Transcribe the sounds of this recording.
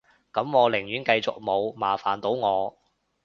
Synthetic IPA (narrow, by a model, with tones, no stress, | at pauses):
kɐ˨˥mŋɔː˨˧lɪ˨˩ŋjyː˨˥nkɐ˧jt͡sʊ˨k̚mo˨˧wmaː˨˩faː˨˩nt̪o˨˥wŋɔː˨˧